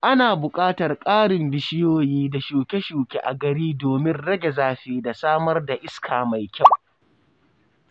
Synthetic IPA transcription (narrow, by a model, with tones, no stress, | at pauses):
ʔa˦naː˨bʊ˨kʼaː˦tɐ˨rkʼaː˦ɽɪ˨mbɪ˨ʃɪ˦joː˦jiː˦da˨ʃuː˨kʲe˦ʃuː˨kʲḛ˦ʔa̰˨ɡɐ˨ɽiː˦doː˨mɪ˦nɽɐ˦ɡʲe˨zaː˦ɸeː˦da˨saː˦mɐ˦rda˨ʔɪ˦skʰaː˨ma˨jkʲa˦˨w